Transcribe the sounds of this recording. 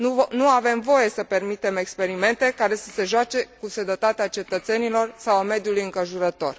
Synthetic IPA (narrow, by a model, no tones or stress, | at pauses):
nuave̞mvo̞je̞səpe̞rmit̪e̞me̞kspe̞ɾime̞nt̪e̞kaɾe̞səse̞ʒoat͡ʃe̞kused̪ət̪at̪eat͡ʃe̞t̪ət̪se̞nilo̞rsawame̞d̪julujɨŋkəʒuɾət̪o̞r